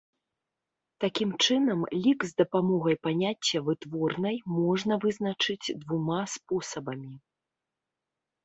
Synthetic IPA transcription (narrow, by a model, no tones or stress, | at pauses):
t̪akʲimt͡ʂɨnɐmlʲikzd̪ɐpamɔɣɐjpanʲat͡sʲːɐvɨt̪vɔrnɐjmɔʐnɐvɨznɐt͡ʂɨd͡zʲd̪vumaspɔsɐbɐmʲi